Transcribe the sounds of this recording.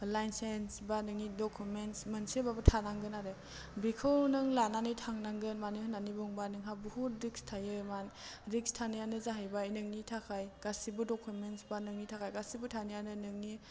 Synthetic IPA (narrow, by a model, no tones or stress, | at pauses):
lajnsensbanɯŋidɔkʰumensmɯnsebabɯtʰanaŋɡɯnaɾɯ | bikʰɯwnɯŋlananɯjtʰaŋnaŋɡɯnmanɯhɯnanibɔŋbanɯŋɦabuhut̚ɾikstʰajɯmanɾikstʰanijanɯzaɦajbajnɯŋnitʰakʰajɡ̥asibɯdɔkʰumentsbanɯŋnitʰakʰajɡasibutʰanijanɯnɯŋni